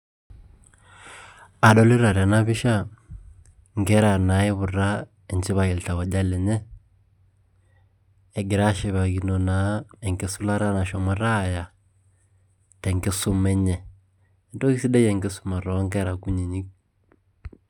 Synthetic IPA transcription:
a˨ɗɔ˦li˦ɾa˨ɾa˨na˦βi˦ʃa˦ | ŋɡɛ˦ɾa˨na˨˦i˦βʊ˨ɾa˦ | ɛ˨nt͡ʃi˦βa˨ɣi˨lta˨wɔ˨d͡ʒa˦lɛ˨ɲɛ˦˨ | ɡɪ˨ɾa˦ʃi˨βa˨ɣi˨nɔ˨na˨˦ɛ˨ŋɡe˨su˦la˦ɾa˦na˨ʃɔ˨ma˨ɾa˦˨ja˨ | tɛ˨ŋɡe˦sʊ˦mɛ˦ɲɛ˨ | ɛ˨ndɔ˦ki˦si˦ɗɛ˦jɛ˨ŋɡɪ˦su̥˦ma˨ɾɔ˨˦ŋɡɛ˦ɾa˨ku˦ɲi˨ɲi˦k̚

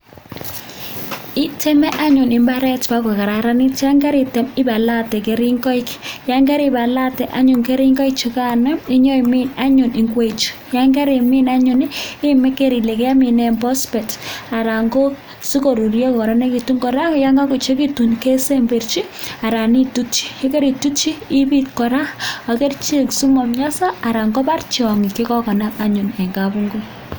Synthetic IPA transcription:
ɪ˦tʰɛ˦mɛ˦ʔa˦ɲʊ˨nɪ˨mba˦ɾɛ˦tpa˦kɛ˨ka˨ɾa˨ɾa˦ni˦ta˦ŋɡa˦ɾi˨tɛ˨mɪ˦ba˨la˦tɛ˨ke˨ɾi˦ŋɡɔ˦ɪkja˦ŋɡɛ˦ɾi˦ba˨la˦tɛ˨ʔa˦ɲʊ˨ŋke˦ɾi˦ŋɡɔ˦ik̚t͡ʃi˨ka˦na˦i˦ɲɔ˦i˨mi˦na˦ɲʊ˨ni˨ŋɡwe˨t͡ʃi̥˨ja˦ŋɡa˦ɾi˨mi˦na˦ɲʊ˨nɪ˦mɛ˦ke˦ɾi˨le˨kɛ˦a˦mi˨nɛ˨mbɔ˦spɛ˨ta˨ɾa˨ŋɡo˦ | su˦ko˨ɾu˨ɾjɔ˦kkɔ˨ɾa˦ne˦ki˨tu˦ŋɡɔ˨ɾa˦ja˦ŋɡa˦ku˨t͡ʃe˦ki˦tu˨nke˦se˦mbe˨rt͡ʃi˦a˨ɾa˨ni˦tu˦t͡ʃi̥ː˦ke˦ɾi˨tu˦t͡ʃiː˦pi˦tkɔ˨ɾa˦a˨ke˦rt͡ʃi˦ksu˦mɔ˨mɲa˦sa˦a˨ɾa˨ŋɡɔ˦pa˦rt͡ʃɔ˨ŋi˨ki˦kɔ˦kɔ˨na˦pa˦ɲu˨nɛ˨ŋɡa˨bu˦ŋɡo˦

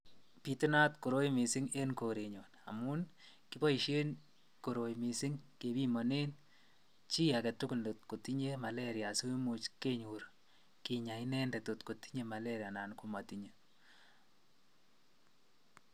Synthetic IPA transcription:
pi˨ti˦na˦tko˨ɾo˦jmi˨si˦ŋe˦nko˨ɾe˨ɲo˨na̰˨mu˦n | kibɔ˦i˨ʃe˦n | ko˨ɾo˨jmi˨si˦ŋke˨bi˦mɔ˨ne˦n | t͡ʃi˦akɛ˨tʊkʊ˦ldot̚ko˨ti˦ɲe˦ma˨leɾja˨su˦mu˨t͡ʃke˦ɲuɾ | ki˨ɲa˨i˦nɛ˦nde˨to˨tko˨ti̥˦ɲe˦ma˨leɾja˨na˨nkuma˨tiɲo˦

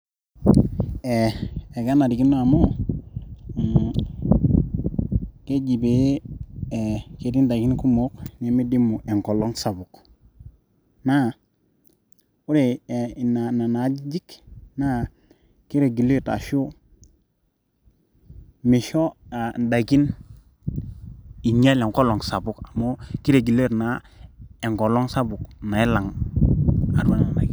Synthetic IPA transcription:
e˨e˨ɡa˦na˨di˨ki˦na˨mo˦ | ke˦d͡ʒi˨be˨˦˨ | ke˨di˦nda˨ki˦nku˦mo˦kne˨mi˦di˦mu˨ʔe˨ŋko˨lo˦ŋsa˨bu˨k | na˦ | u˦ɾe˨i˨na˨na˨na˨˦d͡ʒi˦d͡ʒi˦kna˦ | ki˦ɾe˨ɡi˨le˦ta̰˨ʃu˦ | mi˨ʃo˦a˨n˨da˨ɡi˦n | i˨ɲa˦le˨ŋko˦lo˨ŋsa˨bu˦ka˨mo˦ki˦ɾe˨ɡi˨le˦ɾna˦ | e˨ŋko˨lo˦ŋsa˦bu˨kna˨e˦la˨ŋ | a̰˨ɾa˦n˨a̰˨ɡi˦

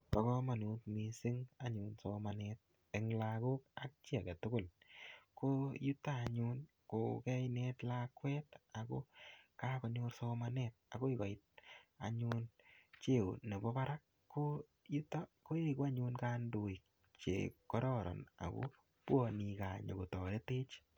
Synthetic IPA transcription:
pa˨kɔ˦ma˨nu˨˦tmi˧sɪ˦ŋaɲunso˦ma˨net̚ | eŋlako˦k̚a˦k̚t͡ʃi˦a˨kɛ˨tʊ˦kʊ˦˨l | koju˦tːaː˦˨ɲu˦n | kokɛ˦jnetlakwɛ˦ta˨ko̰kakɔ˨ɲo˦ɾso˧manet̚a˨ko˦ɪ˦kɔ˨ɪt̚a̰˨ɲu˦nt͡ʃe˦o˨ne˨bɔ˦ba˦ɾa˦kː | o | ju˦tako˦eko˦a˦ɲʊ˧nkaː˦ndo˨i˨k̚ | t͡ʃḛ˨kɔ˦ɾɔ˦ɾɔ̰˨na̰˨ko̰˦ | pwɔ˧ni˨˧ka˨ɲo˨ko˨tɔ˨ɾe˦te˦t͡ʃ

